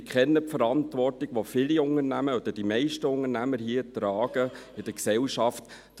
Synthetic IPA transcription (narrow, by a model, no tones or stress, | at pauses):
kχɛnːəpfəɾɑntʋɔrtiɡ̥ʋofɪliʊŋəɾnæməɔd̥̪əd̥imɛɪʃtəʊŋənæməɾhiətɾɑːɡ̥əɪd̥əksɛlʃɑftː